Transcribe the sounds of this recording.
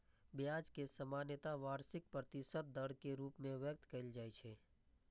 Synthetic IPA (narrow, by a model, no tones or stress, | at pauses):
bɪjaːd͡ʒkesəmaːnjɪt̪aʋaːɾsɪk̚pɾət̪ɪsət̪̚d̪əɽkeɾuːpmẽʋjək̚t̪kɐɪld͡ʒaːjt͡ʃʰeː